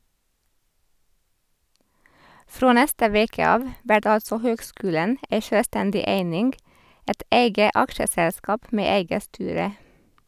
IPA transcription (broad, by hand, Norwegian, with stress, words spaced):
ˈfɾoː ˈnɛstə ˈʋeːkə ˈɑːʋ ˈʋæʈ ˈɑlsɔ ˈhøːɡˌskʉːlən ˈeɪ ˈʃøːˌstɛndɪ ˈeɪnɪŋɡ ˈɛt ˈeɪɡə ˈɑkʃəˌsɛlˌskɑːp ˈmeː ˈeɪɡə ˈstyːɾə